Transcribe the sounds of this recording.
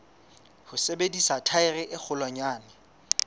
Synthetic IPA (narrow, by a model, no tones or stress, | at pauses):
hʊsebedisatʰaɪrɪʔɪk͡xʰʊlwaɲaːnɪ